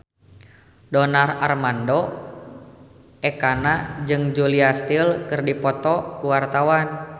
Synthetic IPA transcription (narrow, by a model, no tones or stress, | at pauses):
dɔnara̰rmandɔ | ɛkanad͡ʒɨŋd͡ʒuliast̪ilkɨrdipɔt̪ɔkuwart̪awan